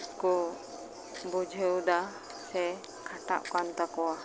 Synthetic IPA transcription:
ku | bod͡ʒəuda | se | kʰaʈa̰ʔkant̪akua

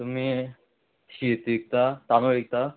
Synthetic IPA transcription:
t̪umi | ʃit̪ik̚t̪at̪anoɭik̚t̪a

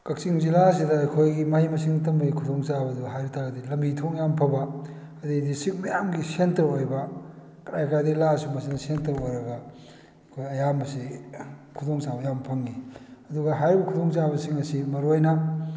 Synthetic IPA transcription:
kɐk̚siŋzilas̬idɐɐjkʰojɡimahimɐsiŋitɐmbɐɡikʰudoŋsabɐduɦajɾitʰaɡɐdilɐmbitʰoŋjampʰɐbɐ | ɐdedisik̚mɐjamɡisentɐɾojbɐ | kɐɾajkajdelasumɐsinɐsentɐɾojɾɐɡɐ | ɐkʰojɐjamɐsikʰudoŋsabɐjampʰɐŋːiɐduɡɐɦajbɐkʰudoŋt͡ʃabɐsiŋɐsimɐɾojnɐ

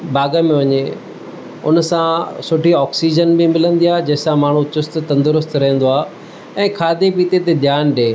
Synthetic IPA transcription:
baːɡəmẽʋɐɲe | ʊ̰nsãsʊʈʰiɔːksiːd͡ʑənbɪmɪlə̃nd̪iaːɦd͡ʑɐɦɪ̃sãmaːɳ̤ũt͡ɕʊst̪t̪ɐ̃nd̪ʊɾʊst̪ɾɐɦə̃n̆d̪oaːɦ | ɛ̃ːkʰaːd̪ep̬iːt̪et̪ed̪ʱjaːnɗeː

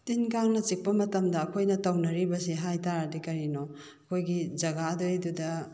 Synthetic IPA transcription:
tinkaŋnɐt͡ʃik̚pɐmɐtɐmdɐːkʰojnɐtɐwnɐɾibɐsiɦajtaɾɐdikɐɾino | ɐkʰojɡid͡ʒɐɡadojdudɐ

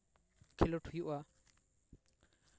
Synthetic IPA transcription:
kʰiloʈʰujuʔa

